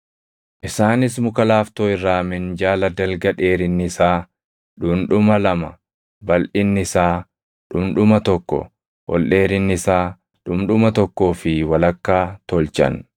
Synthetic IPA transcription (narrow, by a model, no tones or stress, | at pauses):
ʔɪsaːnɪsmʊkɐlaːft̪oːɪrːaːmɪnd͡ʒaːlɐd̪ɐlɡɐᶑeːɾɪnːɪsaː | ᶑʊmᶑʊmɐlɐmɐ | bɐlʔɪnːɪsaː | ᶑʊmᶑʊmɐt̪ɔkːɔ̰ | wɔ̰lʔe̞ːɾɪnːɪsaː | ᶑʊmᶑʊmɐt̪ɔkːo̞ːfɪwɐlɐkːaːt̪ɔlt͡ʃɐ̰n